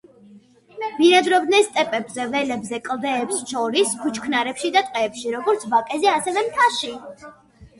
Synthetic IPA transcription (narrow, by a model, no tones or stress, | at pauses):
b̥iɾad̪ɾɔbd̪nɛnst̪ʼɛpʼɛbzɛvɛlɛbzɛkʼlˠd̪ɛːpsʃɔɾiskʰut͡ʃʰkʰnaɾɛpʃid̪at̪ʼqʼɛːpʃiɾɔɡɔɾt̪sʰbakʼɛzɛasɛvɛmt̪ʰaʃi